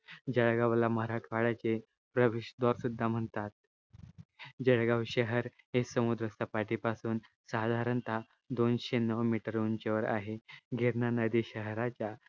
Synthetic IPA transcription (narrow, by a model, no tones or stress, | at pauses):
d͡ʑəɭɡaʋlaməɾakʰʋaɽat͡se | pɾəʋeɕd̪ɔɾsud̪ʱːam̤əɳt̪at̪̚ | d͡ʑəɭɡaʋɕəɦəɾ | ɦesəmud̪ɾəst̪ʰapaʈipasuːn | sad̪ʱaɾənt̪ʰa | d̪onɕenəʋmiʈəɾont͡ɕeʋəɾa̰ɦeɡʱeɾnanəd̪iːɕəɦɾat͡ɕja